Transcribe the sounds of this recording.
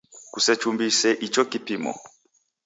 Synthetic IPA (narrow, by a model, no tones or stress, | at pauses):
kusɛt͡ʃumbisɛʔit͡ʃɔkipimɔ̰